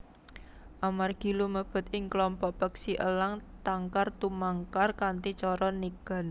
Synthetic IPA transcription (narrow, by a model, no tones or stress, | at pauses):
ʔamarɡ̥i̤luməb̥ə̤t̪ɪŋklɔmpɔʔpəksiʔə̰laŋt̪aŋkart̪umaŋkarkant̪it͡ʃɔɾɔniɡ̥a̤n